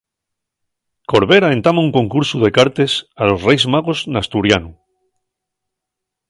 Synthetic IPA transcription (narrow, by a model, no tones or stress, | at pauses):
ko̞ɾβe̞ɾaẽ̞nt̪amauŋko̞ŋkuɾsuð̞e̞kaɾt̪e̞salo̞sre̞jzmaɣ̞oznast̪uɾjanu